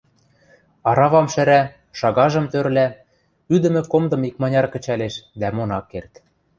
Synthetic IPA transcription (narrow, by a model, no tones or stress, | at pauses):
ɑɾɑβɑmʃɘɾæ | ʃɑɣɑʒɤ̆mt̪ørlæ | yd̪ɘ̆mɘ̆komd̪ɤ̆mikmɑnʲɑrkə̆t͡ɕæleʃd̪æmonɑkːert̪